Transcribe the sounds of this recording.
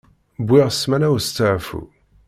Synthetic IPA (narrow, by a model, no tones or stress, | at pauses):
bʷːiʁsmænæwst͡sːəʕfṵ